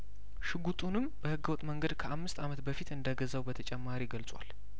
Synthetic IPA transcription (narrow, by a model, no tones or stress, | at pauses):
ʃɨɡut̪ʼunɨmb̥əhɨɡːəwɔt̪ʼːməŋɡəd̪kʰəʔamːɨst̪amət̪bəfit̪ɨnd̪aɡəzawbət̪ʰət͡ʃʼɛmːaɾiɡəlsʼwʷa̰l